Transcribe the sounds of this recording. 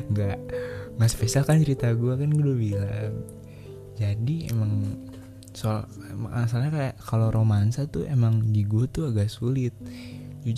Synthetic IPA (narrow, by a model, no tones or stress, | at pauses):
ŋɡaʔmaspesialkant͡ʃəɾit̪aɡuakanɡudobila | d͡ʒadiḛmaŋ | so | mas̬alɲakajakaloɾʔomansat̪ʊʔemaŋdiɡuat̪uaɡaʔsulɪt̪̚ | d͡ʒud͡ʒ